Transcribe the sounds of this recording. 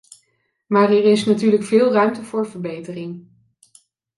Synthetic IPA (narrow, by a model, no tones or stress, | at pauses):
maːɹɛɹɪsnatyːɹləkfɪːlˠrœɥmtəvʊːɹvəɹbejtərɪŋ